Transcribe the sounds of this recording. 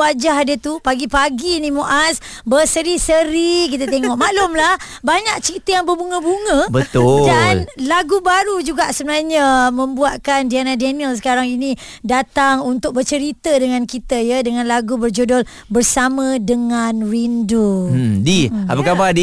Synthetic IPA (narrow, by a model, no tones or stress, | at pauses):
ad͡ʒaɦadət̪upaɡipaɡinĩmoʔas | bəsəɾisəɾikit̪ət̪eŋɔʔmaʔlʊmlah | baɲak̚t͡ʃəɾit̪əjaŋbərbuŋə̃buŋə̃bət̪ʊdanllaɡubaɾud͡ʒuɡaʔsəbənahɲəmə̃mbuat̪̚kandianadɛniəlsə̥kaɾaŋinĩ | dat̪aŋunt̪ʊk̚bərt͡ʃəɾit̪ədəŋãnkit̪əjədəŋãnlaɡubərd͡ʒodɔl | bərsamə̃dəŋanrindodia̰pakapadi